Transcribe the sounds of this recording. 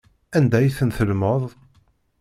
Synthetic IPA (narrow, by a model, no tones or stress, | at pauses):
ænd̪æjθənθəlməðˤ